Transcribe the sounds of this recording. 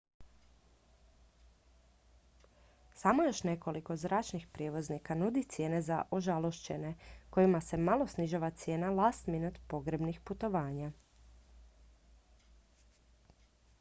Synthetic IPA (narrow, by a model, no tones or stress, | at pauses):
saːmojo̞ʃne̞ko̞liko̞zɾaːt͡ʃnixpɾʲje̞ʋo̞znikanud̪it̪sje̞ːne̞za̰ʔoʒalˠo̞ʃt͡ɕe̞ne̞ko̞jimase̞malˠo̞sniʒaʋat̪sje̞ːnalaːst̪minut̪po̞ɡɾebnixput̪o̞ʋaːɲa